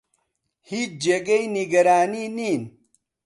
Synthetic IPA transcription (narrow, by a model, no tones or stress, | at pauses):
hit͡ʃd͡ʑeɡɐjniɡɐɾaːniniːn